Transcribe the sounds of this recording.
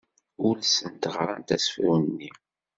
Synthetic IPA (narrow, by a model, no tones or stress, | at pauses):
ʊlsənt̪ʁɾˤa̰nt̪æsfɾunːi